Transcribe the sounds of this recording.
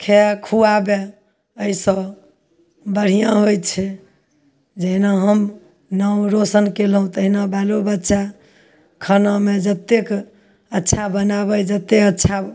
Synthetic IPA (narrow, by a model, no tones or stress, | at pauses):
kʰekʰuabe | əisə̃ | bəɽ̤ijãɦojt͡ʃʰɛ | d͡ʒəɦinaɦəm | nəwɾosənkelɦũt̪əɦinabalobətːʃa | kʰənamed͡ʒət̪ːek | ətːʃʰabənabəjd͡ʒət̪ːeətːʃʰa